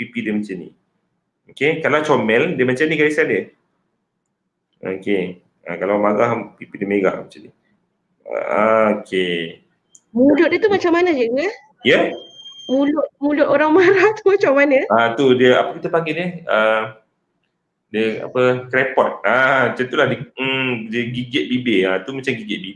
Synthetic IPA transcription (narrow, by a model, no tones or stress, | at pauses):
pipidiəmat͡ʃanḭ | okekalawt͡ʃomɛldiəmət͡ʃanikaɾisadiə | o̰ke | a̰kalawmaɡahpipidiəmeɡa̰ʔmat͡ʃani | a̰aokʰe | mũlʊʔ̚diət̪umat͡ʃamːanəd͡ʒəɡə | jə | mulʊʔmulʊʔoɾaŋmaɾaht̪umat͡ʃamːanəat̪udiəa̰pəkit̪əpaŋɡɪdəhə | diəa̰pəkɾepɔt̪̚aat͡ʃant̪ulahdədiəɡiɡɛt̪̚bibeat̪umat͡ʃamɡiɡɛt̪̚bib